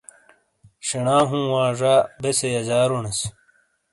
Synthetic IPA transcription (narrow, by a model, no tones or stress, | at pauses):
ɕinaːɦũːwaːʐaːbesejɐzaːɾunɐs